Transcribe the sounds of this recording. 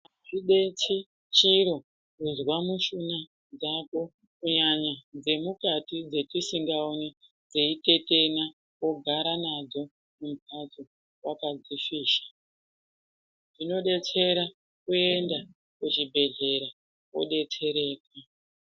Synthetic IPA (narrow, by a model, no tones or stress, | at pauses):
aʐiɗe̞t͡si | t͡ʃiɾo̞ | kunzwamuʃuna | d͡zako̞ | kuɲaɲad͡ze̞mukatid͡ze̞tisiŋɡaone | d͡zeite̞te̞na | ko̞ɡʱaɾanad͡zo̞ | mum̩pʰat͡so | wakad͡zifiːʃḁ | ʐino̞ɗe̞t͡se̞ɾa | kue̞nda | kut͡ʃibʱe̞ɮe̞ɾa | wo̰ɗe̞t͡se̞ɾe̞ːka